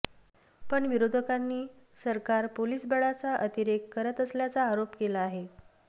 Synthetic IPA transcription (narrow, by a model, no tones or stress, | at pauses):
pəɳʋiɾod̪ʱəkanːiː | səɾkaɾpoliːsbəɭat͡saʔət̪iɾekːəɾət̪əsljat͡saːɾopkelaːɦe